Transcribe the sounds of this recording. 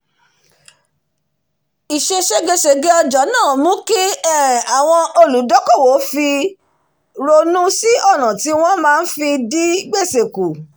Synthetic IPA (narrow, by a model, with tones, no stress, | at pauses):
i˨ʃe˧ʃe˧ɡe˧ʃe˨ɡe˦ɔ˧d͡ʒɔ˨˦nãː˦˨mũ˦ki˦˨a˨w̃ɔ̃˧ʔo˧lu˨˦dɔ˦kɔ˦˨wo˨˦fi˧ | ɾo˧nũ˦si˦ʔɔ˦˨ɾ̃ã˨ti˨˦w̃ɔ̃˦mãː˦n̩˦fi˧di˦ɡ͡be˦˨se˨ku˨